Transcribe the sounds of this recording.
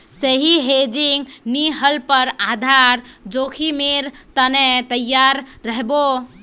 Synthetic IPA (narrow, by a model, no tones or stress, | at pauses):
səɦiɦed͡ʒiŋɡniɦəlpəɾad̪ʱaɾd͡ʒokʰimeɾt̪ənet̪əjːaɾːəɦbo